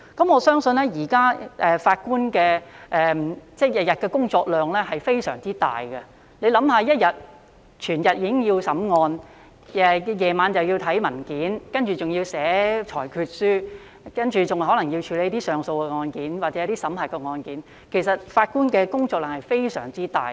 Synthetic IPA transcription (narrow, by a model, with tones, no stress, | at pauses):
kɐ˨˥mɔː˨˧sœː˥ŋsɵ˧nlɛː˥jiː˨˩kaː˥ʔɛː˨faː˧t̚kuː˥nkɛː˧ʔɛː˨m˨t͡sɛː˥˩jɐ˨t̚jɐ˨˩t̚kɛː˧kʊ˥ŋt͡sɔː˧k̚lœː˨˩ŋlɛː˥ɦɐ˨jfe˥jsœ̰ː˨˩ŋt͡siː˥t̪a̰ː˨jɡɛ˧ | le˨˧jlɐ˨˧˥mhaː˧jɐ˥t̚jɐ˨t̚ | t͡ʃʰyː˨˩njɐ˨t̚jiː˧˥kɪ˥ŋjiː˧wsɐ˨˥mŋɔː˧n | ɛ˨jɛː˨maː˨˧nt͡sɐ˨wji˧wt̪ʰɐ˨˥jmɐ˨˩nkiː˨˥nkɐ˥nt͡ʃyː˨t͡sʊ˨ŋji˧wsɛː˨˥t͡ʃʰɔː˨˩jkʰyː˧t̚syː˥ | kɐ˥nt͡ʃyː˨t͡sʊ˨ŋɦɔ˨˥lɐ˨˩ŋji˧wt͡ʃʰyː˨˧le˨˥jt̪iː˥sœː˨ŋso˧wkɛ˧ŋɔː˧nkiː˨˥nwaː˨t̚t͡sɛ˨˦˥t̪iː˥sɐ˨˥mhɐː˨˩kːɛː˧ŋɔː˧nkiː˨˥n | kʰe˨˩jsɐ˨t̚faː˧t̚kuː˥nkɛː˧kʊ˥ŋt͡sɔː˧k̚lœː˨˩ŋhɐ˨jfe˥jsœ̰ː˨˩ŋt͡siː˥t̪a̰ː˨˩j